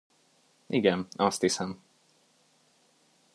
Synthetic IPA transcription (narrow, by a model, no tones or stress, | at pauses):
ʔiɡɛnɒst̪hisɛm